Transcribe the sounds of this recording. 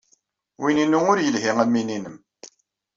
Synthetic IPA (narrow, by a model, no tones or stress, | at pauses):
wininuŋʊɾjəlhiŋæmːininəm